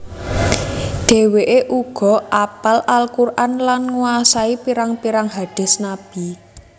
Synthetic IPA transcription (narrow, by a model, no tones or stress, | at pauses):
ɖ̪̥e̤weʔeʔuɡ̥ɔ̤ʔapalʔalkurʔanlanŋuasaipiɾaŋpiɾaŋɦaɖ̥ɛ̤snab̥i